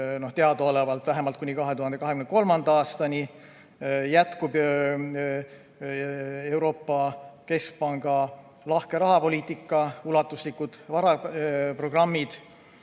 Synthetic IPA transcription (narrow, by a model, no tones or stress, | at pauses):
no̞ht̪e̞ɑd̪̥oolevɑlt̪væɦe̞mɑlt̪̚kunʲikɑɦe̞t̪uɦɑnd̪ekɑɦe̞kymnko̞lmɑnd̪̥ɑɑːst̪ɑni | jæt̪kub | e̞wɾo̞ːpːɑke̞sk̚pɑŋɡ̥ɑ | lɑhke̞ɾɑɦɑpo̞lʲiːt̪ːˑikːˑɑulɑt̪ːˑuslikud̪̥vɑɾɑpro̞ɡ̥rɑmːid̪̥